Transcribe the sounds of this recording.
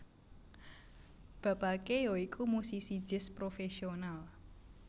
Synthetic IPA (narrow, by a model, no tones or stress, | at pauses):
b̥ä̤pakejoikʰumusisi̥d͡ʒɪ̤spɾofesional